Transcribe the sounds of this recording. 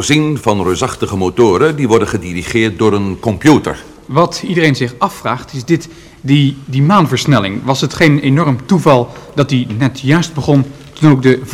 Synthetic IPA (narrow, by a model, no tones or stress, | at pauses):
zinvɑnrøːzɑχtəχəmotoːɾədiʋɔɹdənχədiriχɪːɹt̚dʊːɾənkɔmpjutə̰ɹ | ʋɑtidərejnzɪχɑfraːχtɪzdɪt | dimaːnvəɹsnɛlɪ̰ŋʋɑsɦətχejnenɔɹmtuvɑlˠdɑt̚dinɛtjœɥsd̚bəχɔn | tunowk̚də